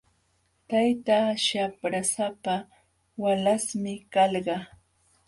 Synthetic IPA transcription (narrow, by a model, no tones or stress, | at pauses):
t̪ajt̪aʃapɾasapa | walasmɪkɑlɢɑ